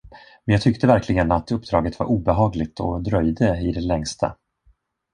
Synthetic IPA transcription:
mɛnjɑːt̪ʰʏkt̪ʰəvæɾklɪɡənat̪ɵpːd̪ɾɑːɡət̪va̰ɾʔuːbɛɦɑːɡlɪɡt̪ʰɔd̪ɾœjd̪əɪd̪ɛlɛŋst̪ʰa̰

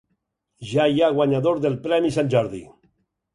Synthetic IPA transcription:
ʒajaɣwaɲaðoɾðelpɾɛmisanʲd͡ʒaɾðḭ

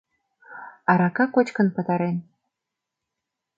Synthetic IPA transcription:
aɾakakʷot͡ʃkɨnpɨt̪ʰaɾen

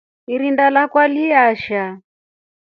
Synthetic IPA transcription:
iɾindalakwaliaʃa

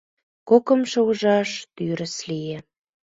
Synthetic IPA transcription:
kokə̆mʃŏuʒɑʃt̪yɾə̆slijĕ

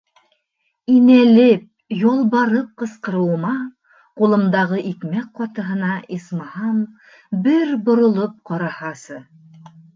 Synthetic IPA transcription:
inælɘp̚ | jolˠβɑɾɤp̚qɤ̆sqɤ̆ɾɤ̆wmɑ | qulˠɤ̆md̪ɑʁɤʔikmæk̚qɒt̪ɤ̆ɦɤ̆nɑʔismɑhɑm | bɘɾbŏɾŏlˠɤp̚qɑɾɑhɑsɤ

